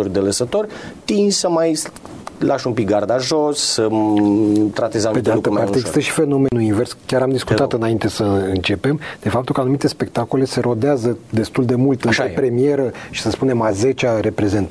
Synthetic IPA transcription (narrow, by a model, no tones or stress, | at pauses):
orʲd̪eləsət̪o̞rʲt̪insəmaj | lʔaʃumpik̚ɡard̪aʒo̞sːə | t̪ɾat̪e̞zaped̪ealut̪əmpart̪eɡzist̪əʃi̥fe̞no̞menuinve̞rskʲaɾamd̪iskut̪att̪ɨnaint̪e̞səɨnt͡ʃe̞pe̞md̪̥e̞fap̚t̪ulkəanumit̪e̞spe̞kt̪ako̞le̞se̞ɾo̞d̪eazəd̪e̞st̪uld̪e̞mult̪ɨnʃɾepɾe̞mie̞ɾəʃi̥səspune̞maze̞t͡ʃaɾe̞pɾe̞ze̞nt̪